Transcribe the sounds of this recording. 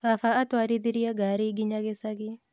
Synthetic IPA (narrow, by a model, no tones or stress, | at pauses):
afaat̪waɾid̪iɾijaɡaɾiɡɪɲaɡɪsaɡɪ